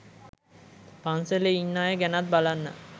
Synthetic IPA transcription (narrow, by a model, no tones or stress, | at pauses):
panseleinːaːjəɡænat̪̚balanːə̰